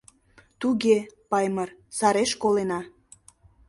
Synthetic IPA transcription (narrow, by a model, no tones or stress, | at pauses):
t̪uɣepɑjmərsɑɾeʃkolenɑ